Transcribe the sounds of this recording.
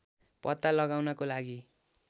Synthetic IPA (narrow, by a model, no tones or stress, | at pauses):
pʌt̪ːalʌɡawnʌkolaɡi